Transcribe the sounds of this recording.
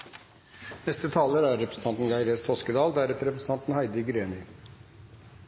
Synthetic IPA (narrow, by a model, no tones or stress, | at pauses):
nɛst̪ət̪ʰɑːləɾæɾːɛpɾəsn̩t̪ɑnt̪n̩ɡɑɪɾeːst̪ʰoskəd̪ɑːld̪æɾɛt̪əɾɛpɾsn̩t̪ɑnt̪n̩hæɪd̪əɡɾeːnʏ